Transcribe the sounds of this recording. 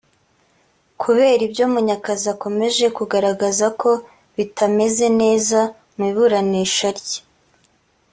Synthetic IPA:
kʰuβe̞ːɾibjoːmuɲakazako̞me̞ʒe̞kuɡaɾaɡazakʰo̞ | βitʰame̞ze̞ne̞ːza | miːβuɾaniːʃaɾɟe̥

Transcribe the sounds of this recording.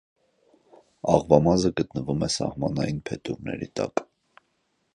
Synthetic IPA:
ɑʁvɑmɑzəɡət̪nəvumɛsɑhmɑnɑjinpʰɛt̪uʁnɛ̰ɾit̪ɑk

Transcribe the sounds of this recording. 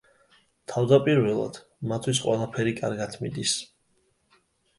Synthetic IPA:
t̪ʰavd̪apʼiɾvɛlˠa̰d̪̥ | mat̪ʰwis̬qʼwɛlˠapʰɛɾikʼa̰ɾɡat̪ʰmid̪is

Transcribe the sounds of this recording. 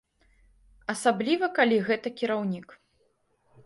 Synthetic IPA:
ɐsablʲivɐkalʲiɣɛt̪ɐkʲiɾawnʲik

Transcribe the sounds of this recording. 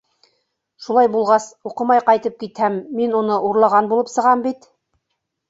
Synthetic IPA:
ʃulˠɑjbulˠʁɑsuqɤ̆mɑjqɑjt̪ɤp̚kit̪hæmːinunɤʔuɾlˠɑʁɑnbulˠɤpsɤ̆ʁɑmbit̪

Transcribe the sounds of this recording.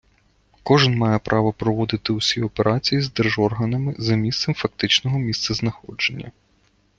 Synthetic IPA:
kɔʒɪnmɑjɛpɾʔɑʋɔpɾɔʋɔd̪ɪt̪ɪusʲiɔpeɾʔɑt͡sʲijizd̪erʒɔrɦɐnɐmɪzɐmʲist̪sɛmfɐk̚t̪ɪt͡ʃnɔɦɔmʲist̪sɐznɐxɔ̰d͡ʒe̞nʲːɐ̰

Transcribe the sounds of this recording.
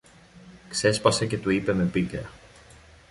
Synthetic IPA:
kse̞spɐse̞ce̞t̪uipe̞me̞pikeɐ

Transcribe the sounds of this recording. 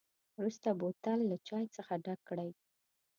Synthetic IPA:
wɾust̪abot̪alːat͡ʃɑjt͡səxaɖaɡ̚kːɽaj

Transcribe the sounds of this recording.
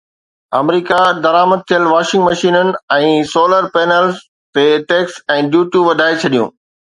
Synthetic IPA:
ɐ̰mɾiːkad̪ɐɾaːməd̪̚t̪ʰijəlʋaːʃɪ̃ŋɡmɐʃiːnənɪ̆ɛ̃ːsoːləɾpɛːnəlz | t̪eʈeːksɛ̃ːɖjuːʈjuʋɐd̪ʱaːet͡ɕʰɐɗijṵ̃ː

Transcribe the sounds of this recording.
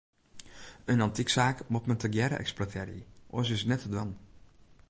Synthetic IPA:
ənɑntiksaːkmɔtməntəɡjɛɾə̰ʔɛ̰ksplɔtʰɛːɾḭʔo̰sɪsnɛtədʋɑn

